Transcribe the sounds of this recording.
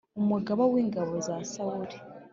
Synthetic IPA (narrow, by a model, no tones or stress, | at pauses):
omwaɡaβaweːŋɡaβozasawuɾe